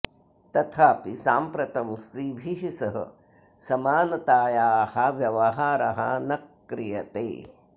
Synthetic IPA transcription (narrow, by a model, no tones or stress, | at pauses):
t̪ɐt̪ʰaːpisaːmpɾɐt̪ɐmst̪ɾiːbʱiɦisɐɦɐ̰ | sɐmaːnɐt̪aːjaːhɐʋjɐʋɐɦaːɾɐɦɐ̰nɐkː | ɾijɐt̪ḛː